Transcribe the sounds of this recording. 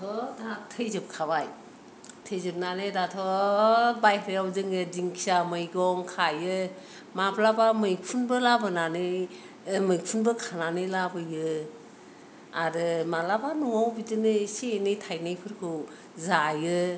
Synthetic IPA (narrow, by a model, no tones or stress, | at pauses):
tʰɔtʰatʰɯjzɯp̚kʰabaj | tʰɯjzɯp̚nanɯdatʰɔ | bajkʰɾɯjawzɯŋɯdiŋkʰi̥samɯjɡɔŋkʰajɯ | maplabamɯjpʰunbɯlabɯnanɯ | mɯjpʰunbɯkʰananɯjlabɯjɯ | aɾɯmalabanuŋawbidɯnɯsenɯjtʰajnajpʰɯɾkʰɯw | zajɯ